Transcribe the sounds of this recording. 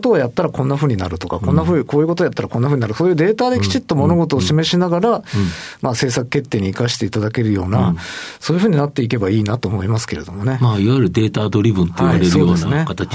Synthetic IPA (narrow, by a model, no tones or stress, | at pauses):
t̪o̞ːjat̪ːaɾakõ̞nːaɸɯ̟ːɲ̟inaɾɯ̟t̪o̞kakõ̞nːaɸɯ̟ko̞ːjɯ̟kot̪ojat̪ːaɾakõnaɸɯ̟ɲ̟inaɾɯ̟so̞ːjɯ̟ːd̪e̞ːt̪aːd̪e̞kʲi̥t͡ɕit̪ːo̞mo̞no̞ɡo̞t̪o̞ːɕime̞ɕinaɡaɾamase̞ːsakɯ̟̥ke̞t̪ːe̞ːɲ̟iːikaɕi̥t̪e̞it̪ad̪ake̞ɾɯ̟jo̞ːnasoːjɯ̟ɸɯ̟ːɲ̟inat̪ːe̞ik̬e̞baiːnat̪o̞ːmo̞imasɨ̥ke̞ɾe̞d̪o̞mo̞ne̞maːiβajiɾɯ̟d̪e̞ːt̪aːd̪o̞ɾʲibɯ̟̃nt̪ːeiaβaɾeɾɯojdo̞ːsnanekat̪a